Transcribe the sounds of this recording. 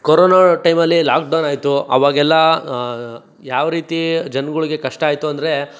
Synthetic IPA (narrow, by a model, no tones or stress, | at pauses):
koɾoːnaʈɐjmɐlːilaːk̚ɖɐwnaːjt̪uʔɐ̰ʋaːɡɛlːɐ | jaːʋɾiːt̪id͡ʒɐnɡuɭiɡe̞kɐʂʈɐaːjt̪uɐnd̪ɐɾe̞